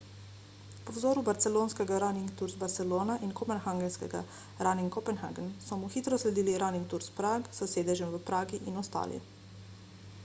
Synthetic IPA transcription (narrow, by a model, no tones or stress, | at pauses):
pɔwzoːɾubaɾt̪sɛloːnskɛɡaɾaːniŋɡt̪uɾzbaɾt̪sɛloːnaʔinkopɛnxaŋɡɛnskɛ̰ɡa̰ | ɾaniŋkɔpɛnxa̰ɡənsɔmuxit̪ɾɔslɛd̪iːliɾaniŋkt̪uɾspɾaːksɔseːd̪ɛʒɛmʋəpɾaːɡiʔinɔst̪a̰ːlḭ